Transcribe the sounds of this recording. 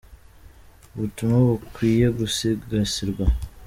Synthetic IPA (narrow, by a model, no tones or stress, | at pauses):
uβutumaβukwiːje̞ɡusiɡɡasiɾɡwa